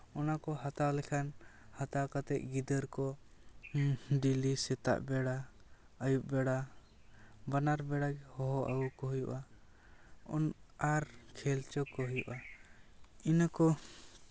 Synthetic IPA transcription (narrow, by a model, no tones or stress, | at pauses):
ɔnakɔɦat̪alɛkʰan | hat̪akat̪ɛʔ̚ɡid̪əɾkɔ | ɖilisɛt̪a̰ʔbɛɽa | əjuʔ̚bɛɽa | banaɾbɛɽaɡɛhɔɦɔʔa̰ɡukɔɦujṵʔa | ɔ̰naɾkʰɛlt͡ʃɔkɔɦujṵʔa | inakɔ